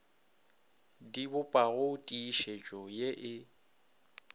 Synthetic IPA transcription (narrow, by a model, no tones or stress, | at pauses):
dibʊpʼaɣʊtʼiːʃet͡ʃʼɔjeʔɪ